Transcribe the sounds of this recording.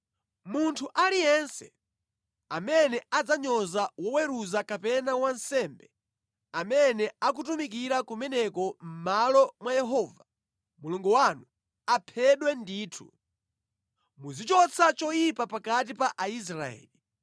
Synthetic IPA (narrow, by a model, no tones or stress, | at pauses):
muntʰuʔalijɛnsɛ | amɛnɛad͡zaɲɔzawɔwɛɾuzakapɛnawansɛmbɛ | amɛnɛakutumikiɾakumɛnɛkɔm̩malɔmwajɛɦɔːva | muluŋɡɔwanu | apʰɛɗwɛndiːtʰṵ | muzit͡ʃɔt͡sʰat͡ʃɔjipapakat̬ipaʔais̬ɾaɛ̰ːli